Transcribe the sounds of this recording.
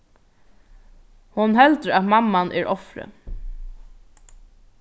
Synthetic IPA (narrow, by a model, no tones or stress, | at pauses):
hʊnɦɛlt̪əɾat̪mamːanʔɛɾɔfɾə̰